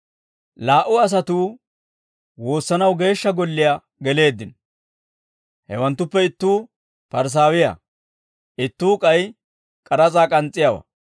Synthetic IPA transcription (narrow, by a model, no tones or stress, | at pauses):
laːʔʊɐs̬ɐt̪uː | wo̞ːsːɐnɐwɡe̞ːʃːɐɡɔlːɪja | ɡɛle̞ːd̪ːɪn | hɛwɐnt̪ːʊpːɛɪt̪ːuː | pɐɾs̬aːwɪja̰ | ʔɪt̪ːuːkʼɐj | kʼɐɾɐt͡sʼaːkʼɐnt͡sʼːɪjawɐ̰